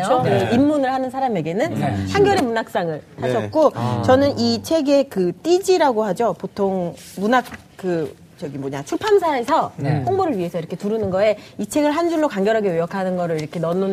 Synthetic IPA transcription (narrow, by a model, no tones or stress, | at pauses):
jooɯimːunɯɭhanɯnsʰaɾame̞ɡe̞nɯnhaŋɡjʌɾe̞munak̚s͈aŋɯɭhaɕʰʌt̚k͈ot͡ɕʌnɯnit͡ɕʰe̞ɡe̞kɯt͈id͡ʑiɾaɡohad͡ʑopotʰoŋ | munak̚ | kɯ | t͡ɕʌɡimoɲat͡ɕʰuɭpʰansʰaesʰʌhoŋboɾɯɭɥie̞sʰʌiɾʌkʰe̞tuɾɯnɯnɡʌe̞it͡ɕʰe̞ɡɯɭɦand͡ʑuɭːokaŋɡjʌɾɦaɡe̞ojʌkʰanɯnɡʌɾɯɭiɾʌkʰe̞nʌnu